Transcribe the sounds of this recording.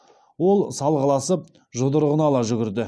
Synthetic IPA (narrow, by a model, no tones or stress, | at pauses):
wo̞lˠsɑlˠʁəlˠɑsəp̚ | ʒʊd̪əɾʁənɑlˠɑʒʏɡʲɪɾd̪ɪ